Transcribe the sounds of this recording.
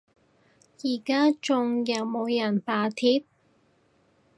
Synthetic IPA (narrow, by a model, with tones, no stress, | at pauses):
jiː˨˩kaː˥t͡ʃʊ˧ŋjɐ˨˩wmo˨˧wjɐ˨˩npaː˨˧t̪ʰiː˧˥p̚